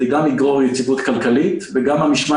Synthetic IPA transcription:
ɡamliɡʁoʁjet͡sivut̪kalkalit̪veɡamhamiʃma

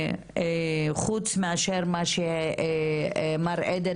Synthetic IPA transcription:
χut͡smeaʃeɾmaʃe | maɾʔed̪e

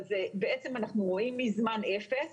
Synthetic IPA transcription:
zebeet͡se̞manaχnuʁo̞imːizmanefes

